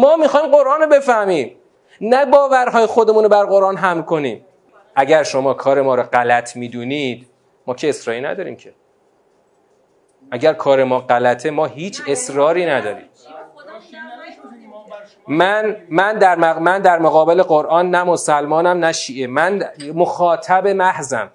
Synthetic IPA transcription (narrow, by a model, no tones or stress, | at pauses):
mɒːmixɒːjmɢoɾʔɒːnobe̞fæhmiːm | næbɒːvæɾɦɒːjexo̞d̪e̞muːnobæɾɢo̞ɾʔɒːnɦæmlko̞niːm | ʔæɟæɾʃo̞mɒːkʰɒːɾemɒːɾɒɢælæt̪ʰmiːd̪uːnid̪̥ | mɒːcʰeːsɾɒːinæ̰d̪ɒːɾḭːmcʰe | ʔæɟæɾkʰɒːɾe̞mɒːɢælæt̪ʰemɒːɦiːt͡ʃʰe̞sɾɒːɾiːnæd̪ɒːɾḭːm | mænmænd̪æɾmæmænd̪æɾmoɣɒːbe̞le̞ɢoɾʔɒːnːæmo̞sælmɒːnæmnæʃiːʔe̞mænmoxɒːt̪ʰæbe̞mæhzæ̰m